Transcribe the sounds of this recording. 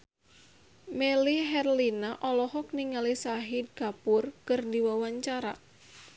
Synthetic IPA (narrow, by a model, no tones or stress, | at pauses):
mɛliɦɛrlinaʔɔlɔɦɔk̚niŋalisaɦid̚kapʊrkɨrdiwawaɲt͡ʃaɾa